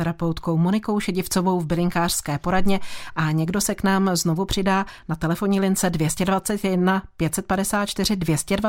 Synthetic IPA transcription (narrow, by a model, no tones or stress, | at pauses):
ɛɾapɛwt̪ko̞wmonɪko̞wʃɛɟɪft͡so̞vo̞wvbɪlɪŋkaːr̝̥skɛːpo̞ɾadɲɛʔaɲɛɡdo̞sɛknaːmzno̞vupr̝̥ɪdaːnat̪ɛlɛfo̞ɲiːlɪnt͡sɛdvjɛscɛdvat͡sɛt̪jɛdnapjɛt̪sɛt̪̚padɛsaːt̪̚t͡ʃt̪ɪrɪdvjɛscɛdva